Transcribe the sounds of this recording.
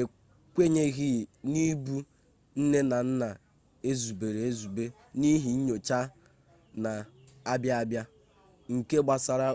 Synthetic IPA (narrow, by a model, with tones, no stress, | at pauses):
e˨ | kʷe˦ɲe˦ɣi˦˨ni˦bu˦ | n̩˦ne˦na˨n̩˦na˨ | e˦zu˨be˨ɾe˨e˦zu˨be˦ | ni˦ɦi˨˦ɲo˨t͡ʃa˦ | na˨a˦bja˦a˦bja˦ | ŋ̩˨ke˦ɡ͡ba˨sa˨ɾa˦